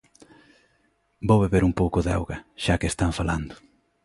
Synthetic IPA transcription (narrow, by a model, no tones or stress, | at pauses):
bowβeβeɾumpowkʊðawɣɐʃakest̪aɱfaland̪ʊ